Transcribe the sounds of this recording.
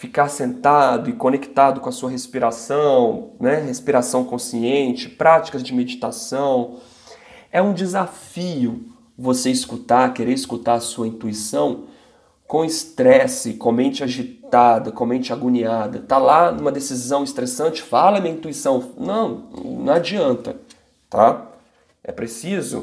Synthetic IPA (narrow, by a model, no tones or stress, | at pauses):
fikaɾsẽnt̪ad̪ʊɪkõnekt̪ad̪ʊkõɐsuɐɦespiɾasɐ̃w̃nɛɦespiɾasɐ̃w̃kõsiẽnt͡ʃɪ̥pɾat͡ʃi̥kɐzd͡ʒɪmed͡ʒit̪asɐ̃w̃ | ɛũd͡ʒɪzafiʊ | voseiskut̪aɾkeɾeɾiskut̪aɾɐsuɐĩnt̪uisɐ̃w̃ | kõw̃ɪst̪ɾɛsɪkõmẽnt͡ʃɪaʒit̪ad̪ɐkõmẽnt͡ʃɪaɡuɲiad̪ɐt̪alanũmɐd̪esizɐ̃w̃ɪst̪ɾesɐ̃nt͡ʃɪ̥falɐmĩɐĩnt̪uisɐ̃w̃nɐ̃w̃nɐ̰̃w̃ad͡ʒiɐ̃nt̪ɐ | t̪a | ɛ̰pɾesizʊ̰